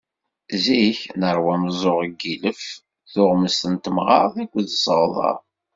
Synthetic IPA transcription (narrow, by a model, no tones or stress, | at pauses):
ziçnəɾˤwæməzˤoʁɡiləf | θʊʁməst̪ənt̪əmʁɑ̰ɾˤθækʷːðəsˤəʁðˤɑ̰ˤ